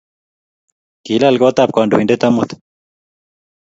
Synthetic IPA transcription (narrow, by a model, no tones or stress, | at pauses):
kilalɡot̪aːp̚kaːɳɖuiɳɖet̪ɐmut̪